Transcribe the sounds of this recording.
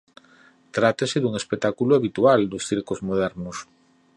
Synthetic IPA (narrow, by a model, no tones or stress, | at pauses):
t̪ɾat̪esɪðuŋespek̚t̪akuloaβit̪uald̪osθiɾkozmoð̞ɛɾnos